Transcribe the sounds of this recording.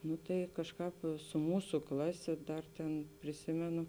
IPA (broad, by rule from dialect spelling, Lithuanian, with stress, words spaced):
ˈnʊ tɐɪ ˈkɑːʃˌkɑːp sʊ ˈmuːsʊ ˈklˠɑːˌsʲeː ˈdɐr tʲeːn pʲrʲɪˈsʲɪmʲɛnʊ